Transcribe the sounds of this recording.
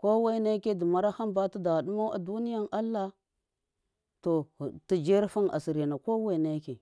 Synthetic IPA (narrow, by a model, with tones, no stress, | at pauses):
ko˦we˦na˦ke˦di˨ma˦ɾa˦ha˦mba˦tu˦da˨ɗu˦ma˦wa̰˨du˦ni˦ja˦nʔa˦lːa˦ | to˨ti˨d͡ʒe˦ɾfu˦na̰˨si˨ɾi˨na˨ko˦we˦˨ne˦ke˨